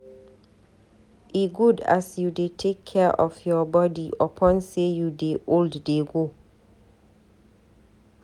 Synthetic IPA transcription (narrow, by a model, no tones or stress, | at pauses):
ɪɡuda̰sjudetʰekʰːɛʔɔfjɔbɔdiʔɔpʰɔ̃nsejudeʔoldːeɡo